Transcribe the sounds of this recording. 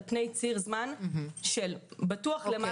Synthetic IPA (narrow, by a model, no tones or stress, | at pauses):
pne̞jt͡siʁzmanʃelbatuaχlema